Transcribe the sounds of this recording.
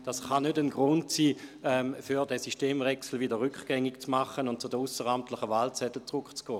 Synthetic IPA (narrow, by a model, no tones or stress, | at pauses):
d̥asχanødənɡʁʊntsiːɛmfyʁdɛsiʃteːmvɛksl̩vidəʁʏkχɡ̥ɛŋɪkt͡smaχənʊnt̚t͡sʊdəusəʁamtlɪχəvalt͡sɛtl̩t͡sʁʊkt͡sɡ̥ɔː